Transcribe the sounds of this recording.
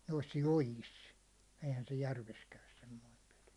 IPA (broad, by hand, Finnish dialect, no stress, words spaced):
nois jojis eihæn se jærʋes kæys semːoim pel̥i̥